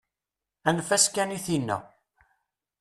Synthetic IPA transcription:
ænfæskːæniθinːə̰

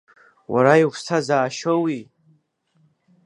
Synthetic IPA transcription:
wʔa̰ɾaikʰstʰazaːʃowi

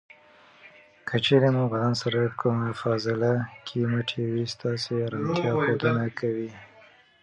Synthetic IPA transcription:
kət͡ʃeɾemubad̪ɑnsaɾakʰumafɑzɪlakʰiməʈʰewist̪ɑseɾɑnt̪jɑxod̪ənakʰawi

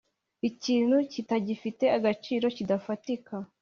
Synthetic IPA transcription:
iciːnhucitaɟifite̞aɡat͡ʃiːɾo̞cidafatika

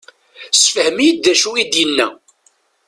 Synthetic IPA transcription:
sfəhəmijəd̪ːæʃuid̪jənːæ

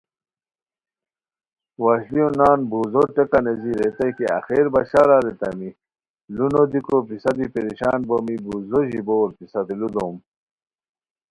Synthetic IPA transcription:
waɕliunaːnbuːzoʈekaneziɾet̪ajkia̰xeɾbaɕaɾaɾet̪ɐ̰mi | lunod̪ikopisad̪ipeɾiɕaːnbomibuzoʑiboːɾpisɐd̪ilud̪oːm

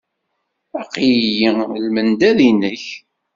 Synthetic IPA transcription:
æqijjilmənd̪ælinəç

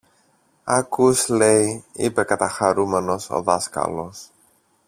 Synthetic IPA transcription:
ɐkusleiḭpe̞kɐt̪ɐxɐɾume̞no̞so̰ðɐskɐ̰lo̞s

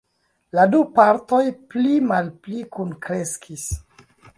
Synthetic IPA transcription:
ladupaɾto̞jplimalplikunkɾeskʰis

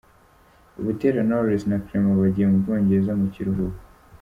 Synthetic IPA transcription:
uβuteɾanoɾisnakɾemoβaɟiemuoːɲɟeɾzamuciɾuɦuβu

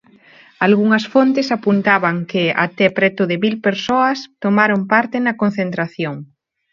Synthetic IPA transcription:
alɣuŋɐsfont̪ɪsapunt̪aβɐŋkɪa̰t̪ɛpɾɛt̪ʊðɪmilpeɾsoɐst̪omaɾompaɾt̪ɪnɐkon̟θent̪ɾaθjoŋ

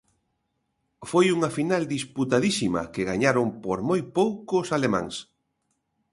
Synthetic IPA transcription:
fojuŋɐfinald̪isput̪aðisimɐ̰keɣaɲaɾompoɾmojpowkosalema̰ŋs

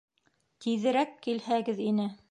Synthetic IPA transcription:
t̪iðɘ̆ɾækːilhæɡɘðinɘ

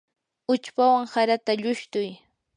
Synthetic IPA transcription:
ʊt͡ʃpawaŋsaɾat̪aʎʊʃt̪ʊj

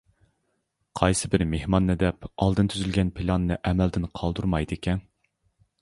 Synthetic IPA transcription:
qʰɑjsɨbɪɾmehmɑnːɨd̪ɛpɑ̰lˠd̪ɨnt̪ʰyzylɡʲɛnpʰɪlˠɑnːɨʔɛmɛld̪ɪnqʰɑlˠd̪uɾmɑjd̪ɨkʲʰɛn

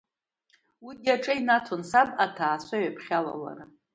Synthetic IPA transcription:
wijaʈ͡ʂʼɨinatʰonsabʼatʰaːsʷaɥapʰχʲala̰la̰ra

